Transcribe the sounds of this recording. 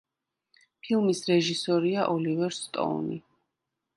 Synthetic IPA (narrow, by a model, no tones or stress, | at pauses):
pʰilˠmisɾɛʒisɔɾiaʔɔlivɛɾst̪ʼɔ̰nḭ